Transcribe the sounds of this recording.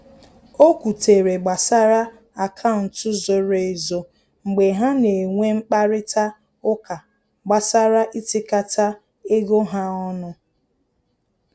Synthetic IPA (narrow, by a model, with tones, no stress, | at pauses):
o˦kʷu˨te˨ɾe˨ɡ͡ba˨sa˦ɾa˦ | a˨kʰa˦ʊ˨n̩˨tʊ˦zo˨ɾe˨e˨zo˨ | ŋ͡m̩˨ɡ͡be˨ɦa˦ne˨ŋʷe˦ŋ͡m̩˦k͡pa˦ɾɪ˦ta˦ | ʊ˦ka˨ | ɡ͡ba˨sa˦ɾa˦ʔi˦tɪ˦ka˦tʰa˦ | e˦ɡo˦ɦa˦ɔ˦nʊ˦